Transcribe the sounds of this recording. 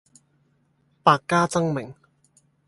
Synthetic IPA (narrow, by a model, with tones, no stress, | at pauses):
paː˧kkːaː˥t͡sɐ˥ŋmɪ˨˩ŋ